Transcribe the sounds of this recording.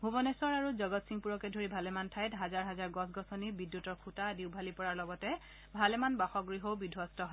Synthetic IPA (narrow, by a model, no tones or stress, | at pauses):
ɦubɔnɛsɔɹaɹuzɔɡɔtsiŋpuɹɔkɛdʱoɹibʱalɛmantʰajtɦazaɹɦazaɹɡɔsɡɔsɔnibidjutɔɹkʰutadiwbʱalipɔɹaɹlɔɡɔtɛ | bʱalɛmanbaxɔɡɹiɦobidʱwɔstɔɦɔ